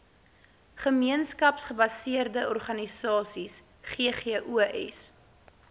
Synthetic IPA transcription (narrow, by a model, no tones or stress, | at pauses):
χəmiənskɐpsχəbɐsiərdəʔɔrχɐnisɑːsis | χeəχeəʔuʔɛ̰s